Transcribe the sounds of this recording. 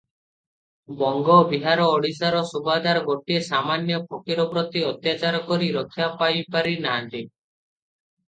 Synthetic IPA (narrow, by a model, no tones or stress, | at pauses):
bɔŋɡɔbiɦaɾɔːɽisaɾɔsubad̪aɾɔɡoʈiesamanjɔpokiɾɔbɾɔt̪iɔt̪jat͡ʃaɾɔkɔɾiɾɔt̪ʰjapajpaɾinaɦant̪i